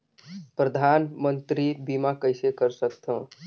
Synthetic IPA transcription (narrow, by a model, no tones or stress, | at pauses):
pɾəd̪ʱanmənt̪ɾibimakəjsekəɾsəkt̪ʰə̃